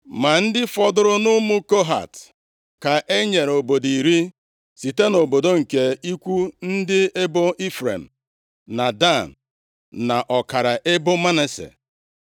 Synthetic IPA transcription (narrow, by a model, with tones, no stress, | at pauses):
ma˨n̩˦dɪ˦fɔ˦dʊ˦ɾʊ˦nʊ˦mu˦ko˦ɦa̰˨t | ka˨ʔe˦ɲe˨ɾo˨bo˨di˨ɾi˦ | si˨te˦no˨bo˨do˦ŋ̩˨ke˨i˦kʷu˦n̩˦dɪ˦e˦bo˦ʔi˦fɾḛ˨m̩˨ | na˨da˦˨n̩˨ | na˨ʔɔ˨ka˨ɾa˨ʔe˦bʊ˦ma˦ne˨sḛ˨